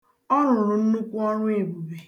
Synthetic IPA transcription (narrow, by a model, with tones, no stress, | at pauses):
ɔ˦ɾʊ˨ɾʊ˨n̩˦nʊ˦kʷʊ˦ɔ˦ɾʊ˦e˨bu˨be˨